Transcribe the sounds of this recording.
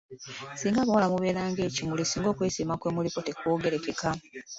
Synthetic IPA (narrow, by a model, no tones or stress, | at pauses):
siːŋɡaβawalamuβe̞ːɾaːŋɡe̞ːcimulisiːŋɡo̞ːkwe̞ːsiːmakwe̞ːmuliko̞te̞kwoːɡe̞ɾe̞keka